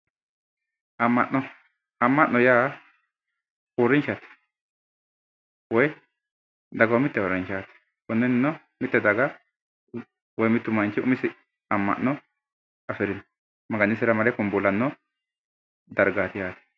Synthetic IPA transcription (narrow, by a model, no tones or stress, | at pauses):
ʔɐmːɐ̰ʔɔ | ɐmːɐʔnːɔjaː | oɾɪnt͡ʃat̪ɛ̥ | wɔj | d̪ɐɡɐwmɪt̪ːɛwɔɾɐnʃaːt̪ɛ̥ | kʊnːɛnɪnːɔ | mɪt̪ːɛd̪ɐɡɐ | wɔjmɪt̪ːʊmɐnt͡ʃːɪʔʊ̰mɪsɪ | ɐmːɐ̰ʔnɔ | ɐfɪɾɪn | mɐɡɐnːɪsɪɾɐmɐlɛkʊmbʊlːɐnːɔ | d̪ɐɾɡaːt̪ɪjaːt̪ɛ̥